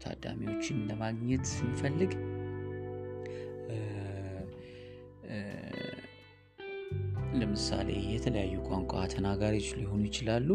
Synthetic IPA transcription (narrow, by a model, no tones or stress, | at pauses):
t̪ʰa̰d̪ːa̰miwo̞t͡ʃːɪnləmaɡɲɛt̪sɨnfəlːɨɡ | ləmɨsa̰le̞̰jɛt̪ʰələjajːukʼaŋkʷʼat̪ʰənaɡaɾijɪt͡ʃɪlujɪho̞nujɪt͡ʃɪlalːu